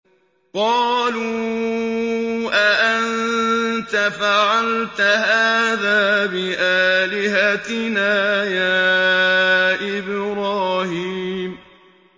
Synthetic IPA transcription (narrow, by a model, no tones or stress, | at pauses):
qɑːluː | ʔaʔant̪afaʕalt̪ahaːðaːbɪʔaːlɪɦat̪ɪnaːjaː | ʔɪbɾɑːhiːm